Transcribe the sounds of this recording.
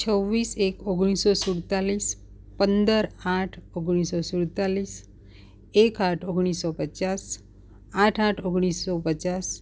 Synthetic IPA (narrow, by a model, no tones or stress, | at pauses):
t͡ʃʰəʋːisekoɡɽ̃isosuɽt̪alis | pənd̪əɾaʈʰoɡɽ̃isɔsuɽt̪alis | ekaʈʰoɡɽ̃isɔpət͡ʃas | ãʈʰãʈʰoɡɽ̃isːɔpət͡ʃas